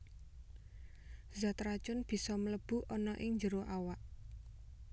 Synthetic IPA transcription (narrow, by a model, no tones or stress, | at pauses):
zat̪ɾat͡ʃʊnb̥i̤sɔmələb̥ṳʔɔnɔʔɪŋɲd͡ʒəɾoʔawaʔ